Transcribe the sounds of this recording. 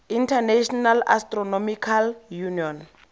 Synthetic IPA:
intʰanɛʃɔnala̰strɔnɔmikʰaljuniɔn

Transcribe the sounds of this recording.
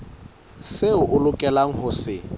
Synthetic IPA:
seʊʔʊlʊkʼɛlaŋ̩ɦʊsɪ

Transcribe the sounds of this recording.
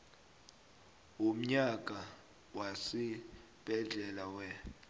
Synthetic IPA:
um̩ɲak̬ʼa | wasi | b̥ʱɛɮɛlawɛ

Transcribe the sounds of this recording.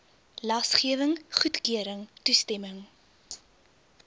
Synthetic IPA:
lɐsχiəvəŋχutkiəɾəŋtustɛməŋ

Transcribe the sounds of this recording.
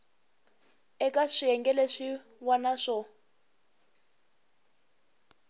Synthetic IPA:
ɛkʼaʂiɛŋɡɛleʂi | wanaʂɔ

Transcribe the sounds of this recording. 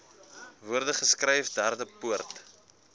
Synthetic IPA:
vuərdəχəskrɛjfdærdəpuərt

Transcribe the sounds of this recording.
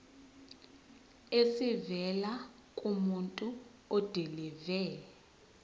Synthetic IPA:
esivɛla | kʼumuntʼu | ɔd̥ʱɛlɛvɛːlɛ

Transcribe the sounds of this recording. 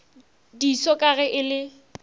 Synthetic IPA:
disɔkʼaɣɛʔɪlɪ

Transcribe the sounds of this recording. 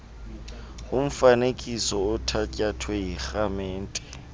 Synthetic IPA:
ɣʊɱ̩fanekʼisɔʊtʰacʼatʰweik͡xamɛːn̩tʼɛ̥

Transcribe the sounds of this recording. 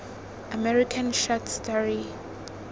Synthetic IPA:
amɛɹikʰãnʃatʰstɔɹi

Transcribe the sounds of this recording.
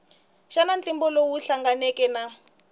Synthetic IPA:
ʃanant͡ɬimbɔlowuɬaŋɡanekɛna

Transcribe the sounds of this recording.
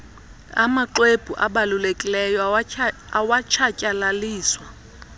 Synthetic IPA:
amaǃweb̥ʱuʔa̰ɓalulekʼilɛjɔ | awat͡ʃʰacʼalaliːswa

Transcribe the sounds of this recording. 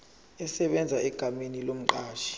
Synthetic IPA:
ɛsɛɓɛnd͡zʱaɛɡ̥ʱamenilom̩ǃaːʃi̥

